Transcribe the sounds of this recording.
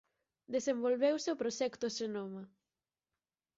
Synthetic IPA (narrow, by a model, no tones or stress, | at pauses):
d̪esembolβewseopɾoʃɛkt̪ʊʃenomɐ